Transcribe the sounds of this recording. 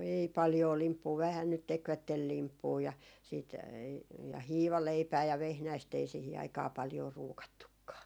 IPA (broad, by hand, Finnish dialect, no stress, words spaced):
ei pɑljoː limpːuː ʋæhæn nyt tekʋætːel limpːuː jɑ siːt jɑ hiːʋɑleipæː jɑ ʋehnæist ei sihi ɑikɑː pɑljoː ruːkɑtːukːɑː